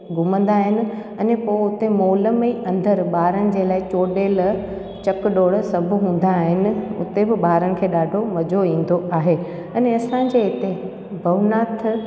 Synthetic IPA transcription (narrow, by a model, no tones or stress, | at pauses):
ɡʱʊmə̃nd̪aːɦɪnɪ̆ɐnepoːʊt̪emoːləmiːɐ̃nd̪əɾɓaːɾəɽ̃ɪ̆d͡ʑeːlaːɪt͡ɕoːɖeːl | t͡ɕɐkɗoːɽsɐbʱʊɦũːn̆d̪aɦɪnɪ̆ʊ̰t̪ebɪɓaːɾəɽ̃ɪ̆kʰeːɗaːɖʱomɐd͡ʑoĩːn̆d̪oʔaːɦe | ɐneɐsãːd͡ʑeɦɪt̪e | bʱɐʋnaːt̪ʰ